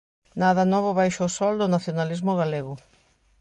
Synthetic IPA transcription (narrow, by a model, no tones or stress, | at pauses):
naðɐnɔβʊβajʃoːsɔld̪ʊnaθjonalizmʊɣaleɣʊ